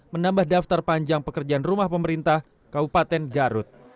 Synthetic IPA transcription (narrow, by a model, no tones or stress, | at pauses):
mənambahdaft̪arpaɲd͡ʒaŋpəkərd͡ʒaanrumahpəməɾint̪ah | kabupat̪ɛnɡaɾʊt̪̚